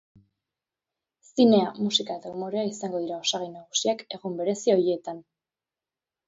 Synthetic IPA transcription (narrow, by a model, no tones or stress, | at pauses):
sine̞amusikae̞t̪aumo̞ɾeaisaŋɡo̞ðiɾao̞saɣajnaɣ̞usiake̞ɣumbe̞ɾe̞sio̞jet̪an